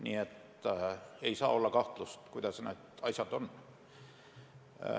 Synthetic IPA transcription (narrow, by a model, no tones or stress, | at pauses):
niet̪ː | æeisɑːolːɑkɑht̪lust̪kuit̪ɑsɑnoet̪ɑisɑt̪on